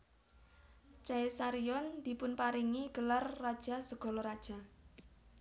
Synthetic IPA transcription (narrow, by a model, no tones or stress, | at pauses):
t͡ʃaesaɾiɔnd̪̥i̤pʊnpaɾiŋiɡ̥ə̤larːad̥ʒ̥a̤səɡ̥ɔ̤lɔɾad̥ʒ̥a̤